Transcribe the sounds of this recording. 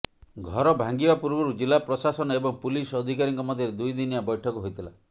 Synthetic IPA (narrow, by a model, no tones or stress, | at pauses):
ɡʱɔɾɔbʱaŋɡibapuɾbɔɾud͡ʒilapɾɔsasɔnɔebɔŋpulisɔd̪ʱikaɾiŋkɔmɔd̪ʱjɔɾed̪ujd̪injabɔjʈʰɔkɔɦojt̪ʰila